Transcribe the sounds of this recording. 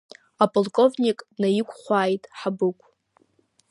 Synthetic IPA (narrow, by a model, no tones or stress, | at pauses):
apʼolkʼo̞vnʲikʼnajɪkʷʰʼχʷaːjtʼħabɨkʷʰʼ